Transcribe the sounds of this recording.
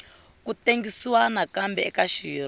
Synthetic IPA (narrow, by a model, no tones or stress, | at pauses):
kuteŋɡisiwanakambɛɛkaʃiːr